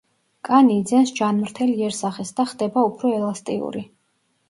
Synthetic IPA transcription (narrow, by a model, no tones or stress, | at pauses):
kʼaniːd̪zɛnsd͡ʒanmɾt̪ʰɛliɛɾsaχɛsd̪aχd̪ɛbaupʰɾɔɛlast̪ʼḭṵɾi